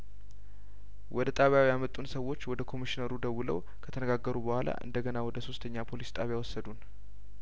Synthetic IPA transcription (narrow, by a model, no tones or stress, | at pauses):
wɔd̪ət̪ʼaβjawjamət̪ʼːunsəwːo̞t͡ʃːwɔd̪əkʰo̞miʃinəɾud̪əwulə̰w | kʰət̪ʰənəɡaɡːəɾubəhʷalʔa̰ʔɨ̰nd̪əɡənawɔd̪əso̞st̪ʰəɲːapʰo̞list̪ʼaβjawɔsːəd̪un